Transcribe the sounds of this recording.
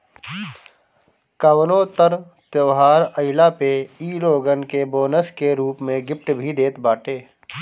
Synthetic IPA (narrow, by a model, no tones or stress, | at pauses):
kəwnõt̪əɾ | t̪jəːɦaːɾəɪlapeiːloːɡənkeboːnəskeɾuːpmẽɡɪp̚ʈbʱid̪eːt̪baːʈeː